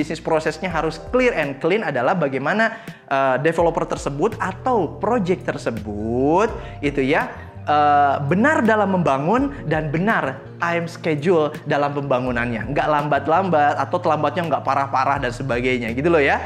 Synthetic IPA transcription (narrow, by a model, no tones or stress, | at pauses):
isnɪspɾosɛsɲaɦaɾʊsklɪrɛnklɪnadalahbaɡajmanaʔəːdefelopərt̪ərsəbʊt̪at̪awpɾod͡ʒɛk̚t̪ərsəbut̪̚ | it̪uja | ʔəːbənardalamːəmbaŋʊndanbənar | t̪ajmsked͡ʒuldalampəmbaŋunanɲa̰ŋɡaʔlambat̪̚lambat̪at̪awt̪əlambat̪̚ɲaŋɡaʔpaɾahpaɾahdansəbaɡajɲaɡit̪ulɔhja